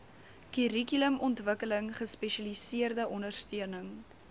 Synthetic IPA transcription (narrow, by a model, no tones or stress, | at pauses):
kyrikyləmʔɔntvəkələŋχəspɛʃɐlisiərdəʔɔndərstyənəŋ